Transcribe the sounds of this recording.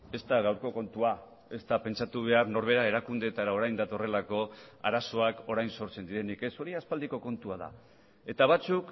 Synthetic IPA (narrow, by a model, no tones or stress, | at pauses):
e̞st̪aɣawɾko̞ko̞nt̪ua | e̞st̪ape̞nt͡ʃat̪uβ̞e̞aɾno̞ɾβe̞ɾae̞ɾakund̪et̪aɾao̞ɾajnd̪at̪o̞re̞lako̞a̰ɾaso̞ako̞ɾajnso̞ɾt͡se̞nd̪iɾe̞nike̞so̞ɾiaspald̪iko̞ko̞nt̪uað̞a̰ | e̞t̪aβat͡suk